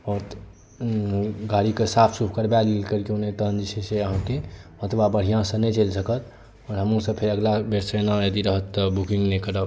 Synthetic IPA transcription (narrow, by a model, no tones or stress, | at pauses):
ɔːɾ | ɡaɾikesapʰsupʰkəɾbɛlilkəɾkeunet̪ənd͡ʒiseseəɦãkeət̪ʋabəɽ̤ijãsə̃nɛt͡ʃelsəkət̪ | ɔːɾɦəmũsə̃pʰeɾəɡlabeɾsenajəd̪iɾəɦət̪ːəbukĩŋɡnekəɾə